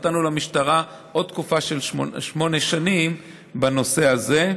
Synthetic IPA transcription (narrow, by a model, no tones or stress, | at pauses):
tanulamiʃtaʁa | ʔo̞d̪̚t̪̚kufaʃelʃmo̞ne̞ʃanim | bano̞se̞aze̞